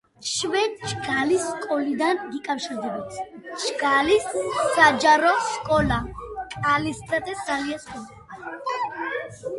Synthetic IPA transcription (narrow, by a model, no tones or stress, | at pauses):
ʃvɛt͡ʃɡalisːkʼɔlid̪anɡikʼafʃiɾd̪ɛbɔt̪sʰ | t͡ʃɡalisːad͡ʒaɾɔskʼɔlakʼalisad̪ɛsd̪zaliaskʼɔn | a